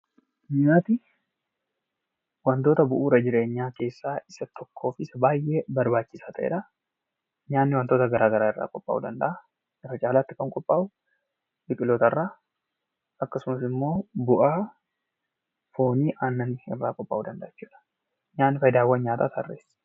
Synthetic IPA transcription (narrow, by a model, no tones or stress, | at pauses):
ɲaːt̪ɪ | wɐnt̪o̞ːt̪ɐbʊʔuːɾɐd͡ʒɪɾe̞ːɲːaːke̞ːsːaːʔɪsɐt̪ʰɔkʰːo̞ːfɪsɐbaːjʔe̞ːbɐɾbaːt͡ʃːɪsaːt̪ɐʔḛːᶑɐ | ɲaːnːɪwɐnt̪o̞ːt̪ɐɡɐɾaːɡɐɾaːɪrːa̰ːkʼɔpʼːa̰ːʔṵd̪ɐnd̪ɐʔa | ɪrːɐt͡ʃʼaːlaːt̪ːɪkɐŋkʼɔpʼːaːʔʊ | bɪkʼɪloːt̪ɐrːaː | ɐkːɐsʊmɐsɪmːo̞ːbʊʔaː | foːniːʔaːnːɐnɪɪrːaːkʼɔpʼːa̰ːʔuːd̪ɐnd̪ɐʔɐt͡ʃːuːᶑɐ̥ | ɲaːnːɪfɐjɪd̪aːwːɐnɲaːt̪aːt̪ɐ̰rːeːs